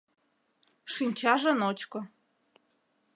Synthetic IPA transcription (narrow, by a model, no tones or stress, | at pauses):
ʃinʲt͡ɕɑʒɤ̆not͡ɕkŏ